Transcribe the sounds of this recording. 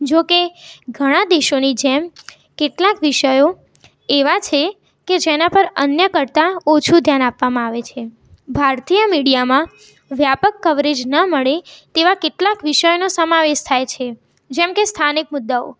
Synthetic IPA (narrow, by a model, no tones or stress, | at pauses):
d͡ʒokeɡʱəɽ̃ad̪eʃonid͡ʒem | keʈlakʋɪʃəjo | eʋat͡ʃʰe | ked͡ʒenapəɾə̰njəkəɾt̪aot͡ʃʰud̪ʱjanapʋamãaʋet͡ʃʰe | bʱaɾt̪ijəmiɽijamã | ʋjapəkːəʋɾed͡ʒnəməɭet̪eʋakeʈlakʋɪʃəjonosəmaʋeʃt̪ʰajt͡ʃʰe | d͡ʒɛmkest̪ʰanik̚mʊd̪ːao̰